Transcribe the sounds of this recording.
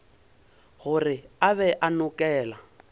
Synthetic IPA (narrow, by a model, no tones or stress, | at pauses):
ɣʊrɪaβɛʔanʊkʼɛːla